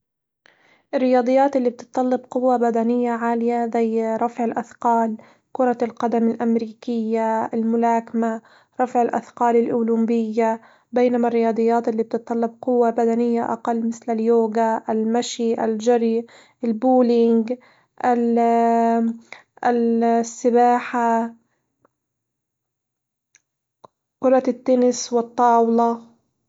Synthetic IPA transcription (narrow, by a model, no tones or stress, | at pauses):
ʔɪrːɪjɑːd̪ˤɨjːaːt̪ʔɪlːiːb̚t̪ɨ̥t̪ˤːɑlːɪbqʊwːabad̪anɪjːaʕaːlɪjazajɾˤɑfʕɪlʔaθqɑːl | kʊɾˤɑlqɑd̪amɪlʔamɾiːkɪjːaalmʊlaːkma | ɾˤɑfʕɪlʔa̰θqɑːlɪlʔʊːlumbɪjːa | bejnamarːɪjɑːd̪ˤɨjːaːt̪ʔɪlːib̚t̪ɨt̪ˤːɑlːɪb̚qʊwːabad̪anɪjːaʔa̰qɑlːmɪθlaljoːɡaʔalmaʃiʔald͡ʒaɾi | ʔɪlbuːlɪŋɡ | ʔa | sːɪbaːħa | qʊɾˤɑt̪ːanɪswɪt̪ˤːɑːwlɑ